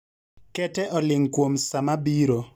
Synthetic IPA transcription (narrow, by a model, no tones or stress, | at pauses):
kɛtɛʔɔlɪŋkwomsamabiɾo